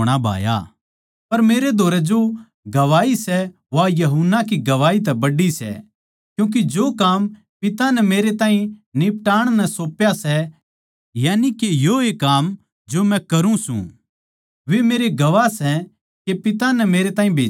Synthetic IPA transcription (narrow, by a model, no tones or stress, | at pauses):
ɽ̃abʱa̰ːja̰ː | pɐɾmeːɾed̪ʱoːɾɛd͡ʒo | ɡɐʋaːisɛ | ʋajɐɦunakiɡɐʋaːit̪̬ɛbɐɖisɛ̰ | kjũːk̬id͡ʒokaːm | pɪt̪anɛmeːɾet̪ãːĩnɪp̚ʈaːɽ̃nɛsoːpjasɛ | jaːnikejoeːkːaːm | d͡ʒomɛ̃kɐɾũsṵ̃ | ʋemeːɾeɡɐʋasɛ | kepɪt̪anɛmeːɾet̪ãːĩbʱeː